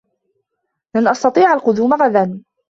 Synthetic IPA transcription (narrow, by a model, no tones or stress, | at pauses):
lanʔɑst̪ɑt̪ˤiːʕalqʊd̪uːmaɣad̪an